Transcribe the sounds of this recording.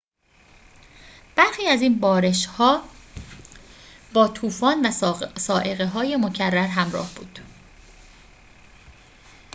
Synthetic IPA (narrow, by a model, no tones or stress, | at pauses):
b̥æɾxiːæzinbɒːɾe̞ʃhɒː | bɒːt̪ʰuːfɒːnvæsɒːʔe̞ɣeɦɒːje̞mo̞cʰærːæɾɦæmɾɒ̰ːhbṵːd̪̥